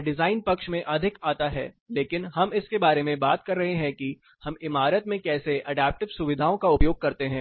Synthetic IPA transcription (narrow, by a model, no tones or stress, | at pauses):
ɖɪzaːɪnpɐkʃmẽʔɐd̪ʱɪkaːt̪aɦɛ̰ː | leːkɪnɦɐmɪskebaːɾemẽbaːt̪kɐɾːɐɦeɦɛ̃ki | hɐmɪmaːɾət̪mẽkɛːseɐɖɛːp̚ʈɪʋsʊʋɪd̪ʱaːõkaʊpjoːɡ̚kɐɾt̪eɦɛ̃ː